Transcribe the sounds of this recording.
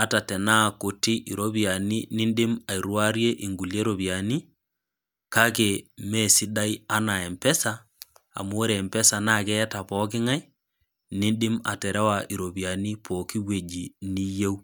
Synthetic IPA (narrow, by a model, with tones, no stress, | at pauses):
a˨˦ta˨tɛ˨na˦˨ko˨ti˦ʔi˨ɾo˦bi˨a˨ni˦ni˦nɗɪ˦ma˨i˨ɾwa˦ɾje˦ʔi˨ŋɡu˨lje˦ɾo˨bi˨a˨ni˦ | ka˦k̬e˨me˦si˦da˦ja˦na˨ɛ˨mpɛ˦sa | a̰˨mu˦o˦ɾeː˨mpɛ˦sa˨na˦˨kɛ˦ta˨pɔ˦kɪ˦ŋa˦j | ni˦nɗɪ˦ma̰˨tɛ˨ɾʔe˦wa˨ʔi˨ɾo˨bi˨a˨ni˦pʰo˨ki˦we˨d͡ʒi˨ni˦je˦w